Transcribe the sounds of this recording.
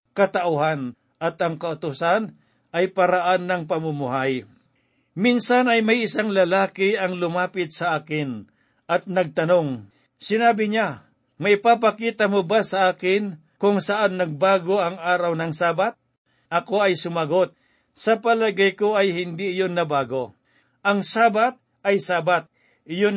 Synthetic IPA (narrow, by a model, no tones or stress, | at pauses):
kɐt̪ɐʔʊɦan | ʔɐt̪ɐŋkɐʊt̪ʊsan | ʔɐjpɐɾaʔanːɐŋpɐmʊmʊɦaj | minsanɐjmɐjʔɪsaŋlɐlaːkɪʔɐŋlʊmaːpɪt̪̚sɐʔaːkɪn | ʔɐt̪̚nɐɡ̚t̪ɐnoŋ | sɪnaːbɪɲa | mɐʔɪpapɐkiːt̪ɐmobasɐʔaːkɪn | kʊŋsɐʔanːɐɡ̚baːɡo̞ʔɐŋʔaːɾɐwnɐŋsaːbat̪̚ | ʔɐko̞ɐjsʊmɐɡo̞t̪̚ | sɐpɐlɐɡajkoʔɐjhɪnd̪iɪjonːɐbaːɡo̞ | ʔɐŋsaːbat̪̚ | ʔɐjsaːbat̪̚ | ʔɪjo